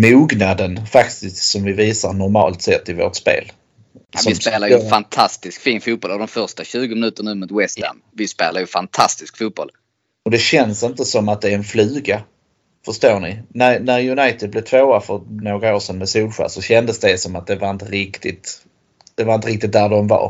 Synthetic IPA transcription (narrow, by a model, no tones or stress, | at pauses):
muːɡnad̪ənfakt̪ɪsk̪sɔmvɪviːsaɾnɔɾmɑ̰ːlt̪sɛt̪ːɪvo̰ːʈspḛːl | sɔɪseːlaɾjfant̪ʰast̪ɪskfiːnfuːt̪̚bɔlavd̪ɔmfœɾʂʈaɕʉ̟ːɡʊmɪnʉ̟ːt̪əɳnʉːmut̪wɛst̪æ̰m | vɪspḛːlaɾjɵfant̪ʰast̪ɪskfuːt̪̚b̥ɔ̰l | ɔd̪ɛɕɛnsɪnt̪əsɔmat̪̚d̪ɛːɾɛnflʉːɡa | fœʂt̪oːɳɪnæɾnæɾjɵnajt̪ɪd̪̚blɪt̪ʰvoːafœɾnoːɡɾaoːʂɛnmɛsuːlɧæ̰ːsɔɕɛnd̪əsd̪ɛsɔmat̪̚d̪ɛvaɾɪnt̪əɾɪkt̪ɪt̪ | d̪̥ɛvaɾɪnt̪əɾɪkt̪ɪt̪̚d̪æɖɔmva̰ɾ